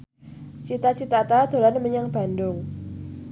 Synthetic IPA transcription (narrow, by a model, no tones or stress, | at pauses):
t͡ʃit̪at͡ʃit̪at̪ad̪̥o̤lanməɲaŋb̥a̤ndʊŋ